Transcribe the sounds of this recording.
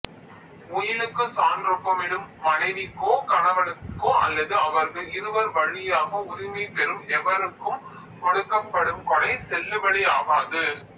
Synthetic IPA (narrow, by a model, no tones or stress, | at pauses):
ʊjɪlɯkːɯsaːndrɯpːɐmɪɽɯmːɐnɐɪʋɪkːoːkɐnɐʋɐɭɯkːoːʔɐ̰lːɐðɯɐʋɐɾɣɐlɪɾɯʋɐɾʋɐɻɪjaːɣɐʊðɪmipɛɾɯmɛʋɐɾɯkːɯm | kɔɽɯkːɐpːɐɽɯmkɔɽɐɪsɛlːɯʋɐɽɪa̰ːɣaːðɯ